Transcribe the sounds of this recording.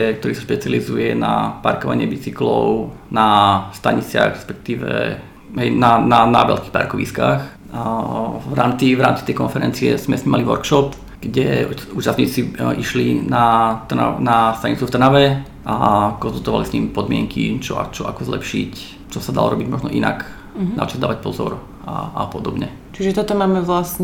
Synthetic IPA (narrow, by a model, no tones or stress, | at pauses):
k̚t̪ɔɾiːsaʃpɛt͡sializujɛna̰paɾkɔʋa̰ɲɪɛbit͡siklɔʊ | nast̪aɲit͡sɪa̰ɣɾɛspɛk̚t̪iːʋɛ̰ | ɦɛjnanana̰ʋɛ̰lkiːxpa̰ɾkɔʋḭskaːx | vɾaːmt͡siʋɾaːmt͡si̥t̪ɛjkɔnfɛɾɛnt͡siɛz̥mɛsɲiːmaliʋɔɾkʃɔp | ɡ̥ɟɛuːt͡ʃast̪ɲit͡siiʃlinat̪a̰nast̪aɲit͡suft̪r̩naʋɛ | ʔakɔnzult̪ɔʋa̰lisɲiːmpɔd̪mɪɛŋkʰḭt͡ʃɔ̰a̰t͡ʃɔakɔzlɛpʃḭc | t͡ʃɔsad̪a̰lɔɾɔbiɟmɔʒnɔʔina̰k̪ | a̰t͡ʃɔzd̪aːʋac̚pɔzɔ̰ɾ | a̰ʔapɔd̪ɔbɲɛ | t͡ʃiʒɛt̪ɔt̪ɔmaːmɛʋlasɲɛ